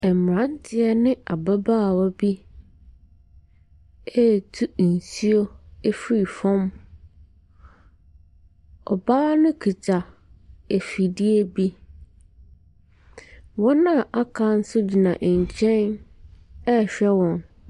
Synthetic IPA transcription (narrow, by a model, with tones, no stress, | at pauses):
ɛ˨m˨ɾã˨˦n˦tʰɪ˦ɛ˦nɪ̃˦a˨ba˦baː˦˨wɔ˦bi˦ | ɛ˦˨tʰu˦˨n̩˨si˦o˦e˦fɾi˨fɔ̃˦m | ɔ̰˨baː˦nʊ̃˦kʰi˨t͡ɕʰa˨e˨fi˨di˦e˦bi˦ | wɔ̃˦nã˦˨ʔa˦kʰa˨n̩˦sʊ˦d͡ʑi˨nã˨ʔɲ̩˨t͡ɕʰɛ̃˦n | ɛ˦˨ɕᶣɛ˦wɔ̃˨n